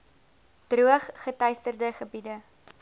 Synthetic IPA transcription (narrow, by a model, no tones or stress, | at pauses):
d̥ruəχːətɐjstərdəχəbidə